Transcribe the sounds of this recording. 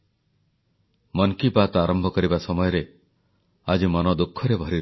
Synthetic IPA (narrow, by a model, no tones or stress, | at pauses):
mɔŋkibat̪aɾɔmbʱɔkɔɾibasɔmɔjɔɾe | ad͡ʒimɔnɔd̪ukʰːɔɾebʱɔɾi